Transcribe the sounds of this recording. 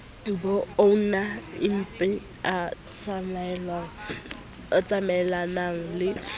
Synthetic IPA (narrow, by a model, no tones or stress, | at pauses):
dubɔonaɪm̩pʼɪ | a | t͡sml̩ | ɔt͡sʼamɛlanaŋ̩lɪ